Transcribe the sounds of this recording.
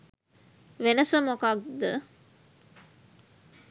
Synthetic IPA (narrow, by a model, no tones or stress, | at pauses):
ʋenəsəmokak̚d̪ə